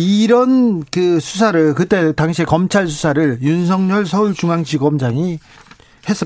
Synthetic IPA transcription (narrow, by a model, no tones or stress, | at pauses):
iɾʌnkɯsʰusʰaɾɯɭkɯt͈e̞taŋɕʰie̞kʌmt͡ɕʰaɭs̬ʰu̥sʰaɾɯɭjuns̬ʰʌŋɲʌɭsʰʌuɭt͡ɕuŋaŋt͡ɕiɡʌmd͡ʑaŋi | he̞s͈ɯ